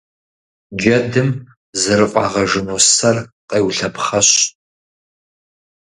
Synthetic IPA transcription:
d͡ʒɐdɨm | zɨɾɨqʷʼɑ̰ːʁɐʒɨnoːsɐrqʼeːwɬɐpχɐɕ

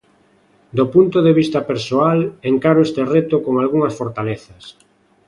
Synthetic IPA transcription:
d̪opunt̪oðeβ̞ist̪apeɾsoaleŋkaɾoest̪eret̪okoŋalɣuŋɐsfoɾt̪aleθɐs

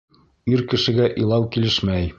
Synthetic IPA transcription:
iɾkɘ̆ʃɘ̆ɡæʔilˠɑwkilɘʃmæj

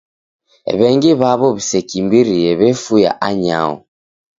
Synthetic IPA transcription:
βɛŋɡiβaβɔβisɛkimbiɾiɛβɛfuja̰ʔaɲa̰ɔ̰

